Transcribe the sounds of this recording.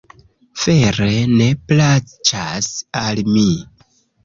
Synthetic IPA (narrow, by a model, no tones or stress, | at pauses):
feɾene̞plat͡ʃasalmi